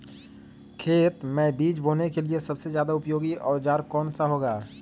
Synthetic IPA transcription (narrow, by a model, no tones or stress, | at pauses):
kʰeːt̪mɛ̃ːbiːd͡ʒboːnekeliesɐbsezjaːd̪aʊpjoːɡiʔɔːɾd͡ʒaːɾkɔːnsaɦoːɡaː